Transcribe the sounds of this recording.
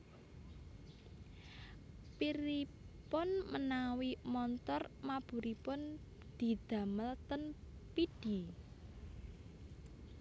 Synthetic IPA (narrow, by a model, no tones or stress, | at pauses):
piɾipʊnmənawimɔnt̪ɔrmab̥ṳɾipʊn | d̪̥i̤d̪̥a̤məlt̪ənpid̥i